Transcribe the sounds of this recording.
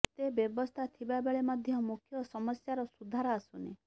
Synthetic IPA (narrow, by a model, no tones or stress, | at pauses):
t̪ebjɔbɔst̪ʰat̪ʰibabeɭemɔd̪ʱjɔmukʰjɔsɔmɔsjaɾɔsud̪ʱaɾɔasune